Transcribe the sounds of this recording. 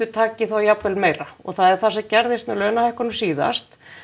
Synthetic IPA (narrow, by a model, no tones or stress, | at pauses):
ʏt̪ʰaːcɪθawjapvɛlmeːjɾaɔ̰ɣθaðɛɾ̥θasɛcɛɾðɪst̪mɛlœːnahɛhkɔɾnʏmsiːða̰st̪